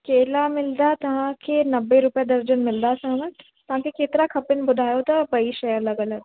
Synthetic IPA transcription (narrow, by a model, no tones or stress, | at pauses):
keːlamɪld̪at̪ɐɦãkenɐbːeɾʊpjad̪ɐɾd͡ʒənmɪld̪asamə | t̪ɐɦãkiket̪ɾakʰɐpɪnbʊd̪ʱaːjot̪abɐiʃɐjəɾlɐɡɐləɡ